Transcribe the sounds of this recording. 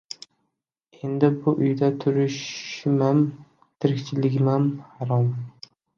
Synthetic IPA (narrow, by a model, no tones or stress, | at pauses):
e̞nd̪ɪbʊʔʊjd̪at̪ʰʊɾɪʃmam | t̪ʰɪɾɪkʲt͡ʃʰɪlɪɡʲɪmanhaɾɒm